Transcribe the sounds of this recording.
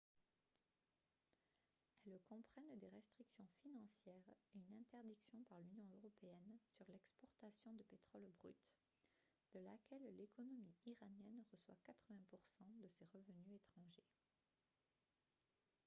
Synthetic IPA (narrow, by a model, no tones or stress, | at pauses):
ɛlkɔ̃pχɛnd̪eʁɛst̪χiksjɔ̃finɑ̃sjɛːʁeynɛ̃t̪ɛʁd̪iksjɔ̃paʁlynjɔ̃øʁɔpeɛnsyʁlɛkspɔʁt̪asjɔ̃d̪əpet̪χɔlbʁy̰t̪ | d̪̥əlakʲɛllekɔnɔmiiʁanjɛnʁəswakat̪χəvɛ̃puʁsɑ̃d̪əseʁəvənyet̪χɑ̃ʒe